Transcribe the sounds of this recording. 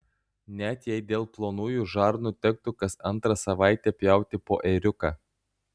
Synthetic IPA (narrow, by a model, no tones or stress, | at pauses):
nʲɛt̪ʲjɛɪd̪ʲeːlˠplˠoːnuːjuʒɑˑɾnuːt̪ʲɛk̚t̪ʊkɐsɐnt̪ɾɐsɐʋɑˑɪt̪ʲɛpʲjɛˑʊt̪ʲɪpoːʔɛɾʲʊkɑ